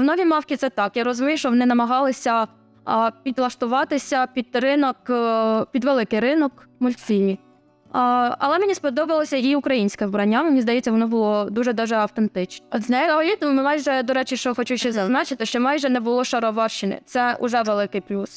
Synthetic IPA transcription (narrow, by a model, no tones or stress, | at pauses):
wnɔʋʲimɑwkʲit̪sɛt̪ɑkjaɾɔzʊmʲijʃt͡ʃɔʋɔnɪnɐmɐɦɑlˠɪsʲɐ | pʲid̪lˠɐʃt̪ʊʋɑt̪ɪsʲɐpʲid̪rɪnɔkpʲid̪ʋelˠɪkɪjɾɪnɔkmʊlʲt̪fʲilʲmʲi | ɐ̰lˠɛmenʲispɔd̪ɔbɐlˠɔsʲɐjiʊkɾɐjinʲsʲkɛwbɾɐnʲːaʋɪmenʲizd̪ɐjɛt͡sʲːɐʋɔnɔbʊlˠɔd̪uʒɛd̪ɑʒɛɐwt̪ent̪ɪt͡ʃnɛznɑjɔlʲit̪mmɑjʒɛd̪ɔɾɛt͡ʃɪʃt͡ʃɔxɔt͡ʃuʃɛzɐnɑt͡ʃɪt̪ɪʃt͡ʃɔmɑjʒɛnɛbʊlˠɔʃɐɾɔʋɑʃɪnʲɛ̰t̪sɛʊ̰ʒɛʋelˠɪkɪjplʲus